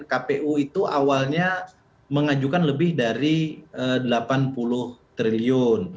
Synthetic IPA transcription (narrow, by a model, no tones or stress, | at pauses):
kapeʔuit̪uʔawalɲa | məŋad͡ʒukanləbɪhdaɾiədəlapanpulʊht̪ɾiliʊn